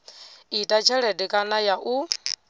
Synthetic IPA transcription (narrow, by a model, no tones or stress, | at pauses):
itʼat͡ʃʰɛɺɛdikʼanajaʔu